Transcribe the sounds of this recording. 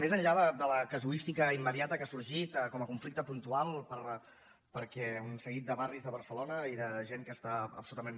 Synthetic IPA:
mezəɲʎaðəd̪ələkəzuist̪ikəimːəðiat̪əkasuɾʒit̪kɔməkuɱflik̚t̪əpunt̪ualˠpəɾ | pəɾkɛunsəɣit̪̚d̪əβarizðəβəɾsəlonəiðəʒeŋkəːst̪aə̰psulut̪əmen

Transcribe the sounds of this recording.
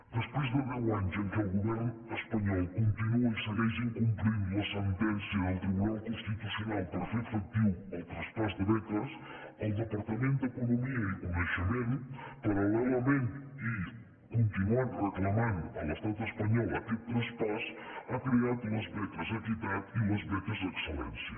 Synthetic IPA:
d̪əspwejzðəβaaɲzeŋkəlˠɣuβɛɾnuespɐɲɔlˠkont̪inuɐisəβɛʒeŋkumplind̪ulɐsent̪ɛnsjɐðɐlˠt̪ɾiβunalˠkũnst̪it̪usjonalˠpoɾfeɾfɐk̚t̪iwɐwt̪ɾɐspɔɾd̪əβɛt̪ɾɐs | ɐwd̪əpɐɾt̪ɐmẽnt̪̚d̪ekunumiɐikumesɐmẽnupɐɾɐlɛlɐmẽnt̪i | kõnt̪inuanreklˠɐmãnd̪uɐlɐst̪at̪espɐɲɔlˠɐ̰kelt̪ɾɐ̃spɔsakɾiaðumɐzβɛt̪ɾɐzɐk̪it̪at̪iumɐzβɛt̪ɐzðekselɛ̰̃nsjɐ

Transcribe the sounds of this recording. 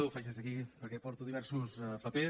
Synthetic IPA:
uwfɛʃəzəkipəɾkɛpɔɾt̪uðiβɛɾsuspəpe

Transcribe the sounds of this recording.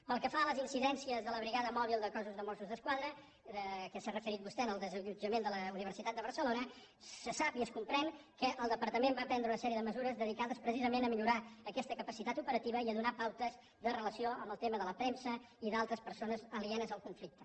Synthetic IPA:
pəlˠkəfaələzinsiðɛnsiəzðələβɾiɣaðəmɔβ̞ilˠd̪əkɔzuzðəmosuzðəskwaðɾə | əkəsarəfəɾit̪bust̪ɛənəlˠd̪əzəʎud͡ʒəmend̪ələuniβ̞əɾsit̪at̪̚d̪əβəɾsəlonə | səsapiəskumpɾɛŋkəʔəlˠd̪əpəɾt̪əmembapɛnd̪ɾəunəsɛɾiəðəməzuɾəzðəðikaðəspɾəsizəmenəmiʎuɾaəkɛst̪əkəpəsit̪at̪upəɾət̪iβəiəðunapawt̪əz | ðərələsioəmbəlˠt̪eməðələpɾɛnsə | iðalˠt̪ɾəspəɾsonəzəliɛnəzəlˠkuɱflik̚t̪ə

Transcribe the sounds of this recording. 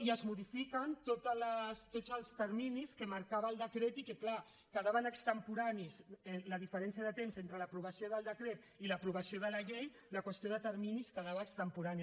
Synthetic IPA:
iəzmuðifikənt̪ot̪ələst̪ozəlˠst̪əɾminiskəmaɾkaβəlˠd̪əkɾet̪ikekla | kəðaβənəkst̪əmpuɾanisɛləðifəɾɛnsiəðət̪emzent̪ɾələpɾuβ̞ɐsioðəlˠd̪əkɾet̪ | iləpɾuβəsioðələʎej | ləkwəst̪ioðət̪əɾminiskəðaβəːkst̪əmpuɾani

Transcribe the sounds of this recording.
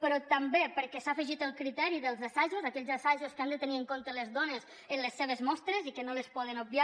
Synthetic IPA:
pəɾɔt̪ambepəɾkɛsafəʒit̪əlˠkɾit̪ɛɾiðəlˠzasaʒuzakɛʎzasaʒuskand̪ət̪əniəŋkont̪ələzðɔnəz | ənləsːeβ̞əzmɔst̪ɾəzikənoləspɔðənub̚bia

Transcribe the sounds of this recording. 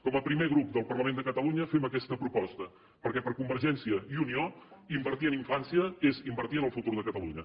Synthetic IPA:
kɔməpɾimeɣɾup̚d̪əlˠpərləmend̪əkət̪əluɲəfeməkɛst̪əpɾupɔst̪ə | pəɾkɛpəɾkumbəɾʒɛnsiəiunioimbəɾt̪iəniɱfansiəezimbəɾt̪iənəlˠfut̪uɾðəkət̪əluɲə

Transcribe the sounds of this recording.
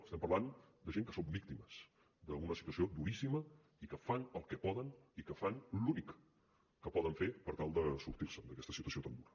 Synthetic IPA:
əst̪ɛmpərland̪əʒeŋkəsombik̚t̪iməz̥ | d̪əunəsit̪uəsiod̪uɾisimə | ikəfanəlˠkɛpɔðənikəfanlunikː | əpɔðəɱfeɾpəɾt̪alˠd̪əsuɾt̪iɾsəd̪əkɛst̪əsit̪uəsiot̪and̪uɾə

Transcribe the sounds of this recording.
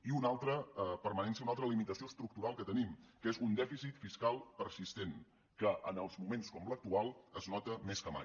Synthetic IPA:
iunalˠt̪ɾəpəɾmənɛnsiəunalˠt̪ɾəlimit̪əsioəst̪ɾuk̚t̪uɾalˠkət̪ənimkezund̪ɛfisit̪fiskalˠpəɾsist̪en | kəʔənəlˠzmumenskɔmlək̚t̪ualˠəznɔt̪əmeskəma̰j

